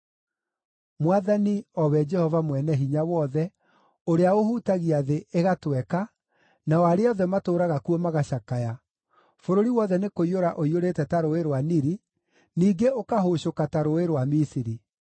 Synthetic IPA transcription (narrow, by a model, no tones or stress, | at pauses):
mwaðaniɔwɛd͡ʒɛhɔvamwɛnɛɦiɲawɔðɛ | oɾeaohutaɣiaðeeɣatwɛka | nawaɾeɔðɛmatoːɾaɣakuɔmaɣaɕakaja | foɾoɾiwɔðɛnekoioɾaʔoioɾetɛtaɾoeɾwaniɾi | niːɡeokaɦoɕokataɾoeɾwamisiɾi